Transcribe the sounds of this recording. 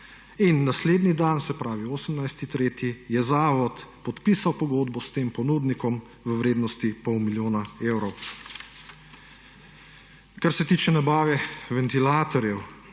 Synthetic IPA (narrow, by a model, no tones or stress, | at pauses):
inːasleːd̪nid̪ansɛpɾaːʋioːsəmnajst̪it̪ɾeːt̪jijɛzaːʋɔt̪pɔt̪piːsawpɔɡoːd̪bɔst̪eːmpɔnuːd̪nikɔm | ʋəʋɾeːd̪nɔst̪ipɔwmiljoːnaeːwɾɔw | kaɾsɛt̪iːt͡ʃɛnabaːʋɛʋɛnt̪ilaːt̪ɔɾjɛw